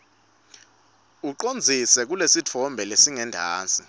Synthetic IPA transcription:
uǃond͡zʱisɛk̬ulesit͡fʰɔmbʱɛlesiŋɛndʱaːnt͡sʼi

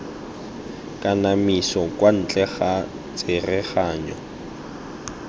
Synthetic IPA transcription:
kʼanamisɔkʼwan̩t͡ɬʼɛχa | t͡sʼɪrɛχaːɲɔ

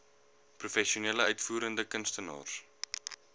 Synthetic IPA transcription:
prufɛʃiuneːləœɥtfuːɾəndəkənstənɑ̰ːrs

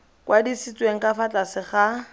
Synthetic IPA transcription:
kwadisit͡sʼweŋ̩kʼafat͡ɬasɪχa

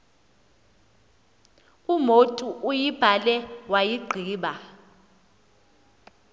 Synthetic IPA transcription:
umotʼuʔujib̥ʱalɛwajiɡ͡ǃʱiːɓa

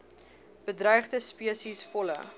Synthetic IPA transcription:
b̥ədrœjχdəspiəsisfɔlə̰

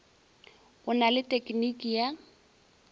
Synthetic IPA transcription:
ʊnalɪtʼekʼnikʼija

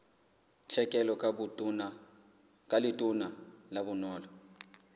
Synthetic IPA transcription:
t͡ɬʰɛkʼɛlɔku | kʼalitʼunalaβunɔːlɔ

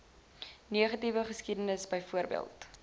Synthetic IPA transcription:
niəχɐtivəχəskidənəsbəjfuərbḭə̰lˠt

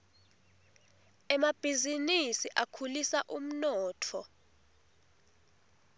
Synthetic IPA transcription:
ɛmab̥ʱizinisiʔakʰulisaʔum̩nɔːtʰɔ

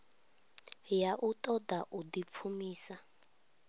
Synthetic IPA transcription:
jaʔutʼɔdaʔudip̪fʰumiːsa

